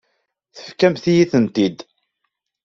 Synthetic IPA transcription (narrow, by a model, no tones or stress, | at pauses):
θə̥fkæmθijiθənt̪id̪